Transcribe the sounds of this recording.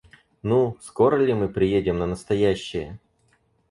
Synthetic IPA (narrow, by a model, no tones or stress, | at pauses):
nusko̞ɾəlʲɪmɨpɾʲɪjedʲɪmnənəst̪ɐjæɕːɪjə